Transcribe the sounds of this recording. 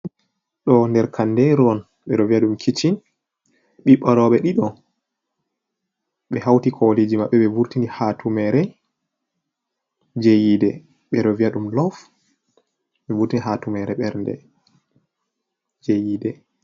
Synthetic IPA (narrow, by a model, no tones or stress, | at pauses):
ɗɔndɛɾkʰandɛɾɔn | ɓɛɗɔviaɗumkʰit͡ʃin | ɓiɓaɾɔɓɛɗiɗɔ | ɓɛhawtikʰɔled͡ʒimaɓːɛɓɛvuɾtinihatʰumɛɾɛ | d͡ʒejidɛ | ɓɛɗɔviaɗumlɔf | ɓɛvuɾtiniɦatumɛɾɛɓɛɾndɛ̰ | d͡ʒejiːdɛ